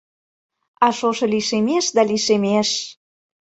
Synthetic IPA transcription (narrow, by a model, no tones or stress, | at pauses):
ɑʃoʃɤ̆liʃemeʃd̪ɑliʃemeʃ